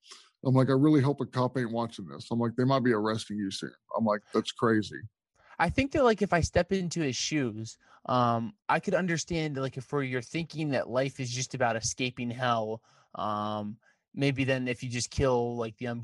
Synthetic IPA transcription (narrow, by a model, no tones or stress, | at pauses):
ʔãɪ̃mlaɪkaɪɹɪlˠiɦɛlˠp̚ðɨkʰɑpẽɪ̃nwɑt͡ʃɪ̃ŋðɪ̰sãɪ̃mlaɪk̚ðeɪmaɪt̚b̥iə˞ɛstɪ̃ŋjɨsḭ̃nã̰ɪ̃mlaɪk̚ðætskʰɹ̥eɪzḭ | ʔaɪθɪ̃ŋk̚ðɨt̚laɪkɨfaɪstɛpɪ̃ntʉɪz̥ʃʉz̥ | ʔʌ̃mʔaɪkʰɨɾʌ̃ndə˞stæ̃ndlaɪkɨfə˞jə˞θɪ̃ŋkɪ̃ŋðɨ̰ʔlaɪfɨzd͡ʒʌstɨbaʊɾɨskeɪpɪ̃ŋɦɛlʊlˠ | ʔʌ̃mː | eɪbiðɨ̃nɨfjɨd͡ʒʌskʰɪlˠlaɪk̚ðiɨ̃n